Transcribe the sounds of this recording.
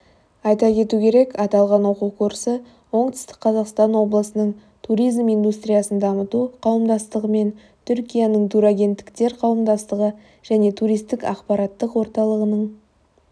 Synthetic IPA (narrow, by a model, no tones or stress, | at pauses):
ɑjt̪ɑkʲe̞t̪ukʲʰe̞ɾe̞kʰɑt̪ɑlˠʁɑnwo̞qukʰuɾsə | wo̞ɴt̪ʏ̥st̪ɪ̥kqʰɑzɑqst̪ɑnwo̞blˠəsənəɴ | t̪ʰuɾijzmijnd̪ust̪rijɑsənd̪ɑmət̪uqʰɑwəmd̪ɑst̪əʁəme̞n | t̪ʰʏɾkʲijanəɴd̪uɾaɡʲe̞nt̪ːɪ̥kt̪e̞ɾqʰɑwəmd̪ɑst̪əʁə | ʒ̥æne̞t̪ʰuɾijst̪ɪkɑ̰qpɑɾɑt̪ːəqwo̞ɾt̪ɑlˠəʁənəɴ